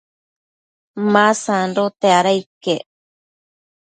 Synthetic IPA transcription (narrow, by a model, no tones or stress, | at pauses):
mãsanɾot̪eaɾajke